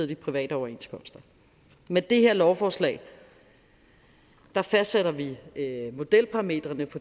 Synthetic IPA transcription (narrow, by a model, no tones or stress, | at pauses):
ðˠd̥ipʰʁiʋɛ̰ːɾəɒʊɐe̝nskʰɒ̽m̰sd̥ɐ | med̥e̝heɐ̰lɒʊfɒːslɛ̰ːɪ | d̥ɑ̈fæsd̥seɾ̥ɐʋimo̝d̥el̰pʰɑ̈ʁɑ̈me̝̰ːd̥ʁɐnəfɒ̽